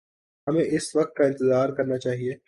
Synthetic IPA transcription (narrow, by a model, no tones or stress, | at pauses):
ɦɐmẽʔɪsʋɐk̚t̪̚kaɪ̃nt̪ɪzaːɾkɐɾnat͡ʃaːɦieː